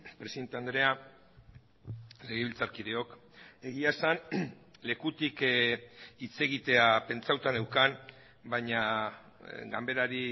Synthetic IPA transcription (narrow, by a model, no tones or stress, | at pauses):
pɾe̞siðe̞nt̪e̞and̪ɾe̞a | le̞ɣeβilt͡saɾkiðe̞o̞ke̞ɣ̞iasanle̞kut̪ik | it͡se̞ɣ̞it̪e̞ape̞nt͡sawt̪ane̞wkan | bajɲa | ɡambe̞ɾaɾi